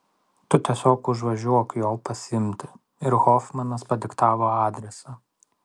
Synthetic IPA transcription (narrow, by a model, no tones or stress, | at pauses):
t̪ʊt̪ʲiɛsʲoːkʊʒʋɐʒʲuɔkjoːlˠpɐsʲɪɪmʲt̪ʲɪ | ɪɾɣɔːfmɐnɐspɐd̪ʲɪkt̪ɑːʋoːɑːd̪ʲɾʲɛsɑː